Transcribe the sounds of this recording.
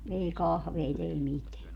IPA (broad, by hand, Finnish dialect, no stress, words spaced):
ei kɑhʋeit ei miteæ